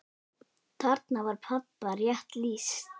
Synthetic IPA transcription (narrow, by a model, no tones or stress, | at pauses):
t̪ʰaɾt̪navaɾ̥pʰat̪̚parjaht̪liːs